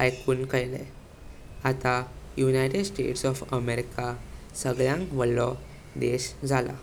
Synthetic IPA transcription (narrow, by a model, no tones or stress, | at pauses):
ajkuːnkəjlḛ | at̪ajunajʈeɖsʈḛʈsɔfəmeɾika | səɡɭjãŋkʋəlːɔ | d̪eɕd͡zʱala̰